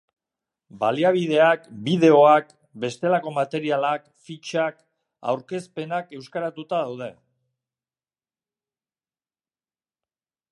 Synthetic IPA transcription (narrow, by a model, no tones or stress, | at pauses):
baliaβ̞ið̞e̞akbiðe̞o̞ak | be̞st̪e̞lako̞mat̪e̞ɾialak | fit͡ʃak | a̰wɾke̞spe̞nake̞wskaɾat̪ut̪aðawð̞e̞